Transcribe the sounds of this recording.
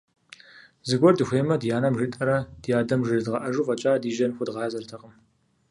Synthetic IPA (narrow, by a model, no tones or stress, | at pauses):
zɨɡʷɔrdɨxʷeːmɐdjaːnɐmʒɨtʼɐɾɐd̥jaːdɐmʒɨrdʁɐʔɐʒuːfʼɐt͡ʃʼaːdiːʒɐnxʷʊdʁɑːzɐrtʰɐqʼəm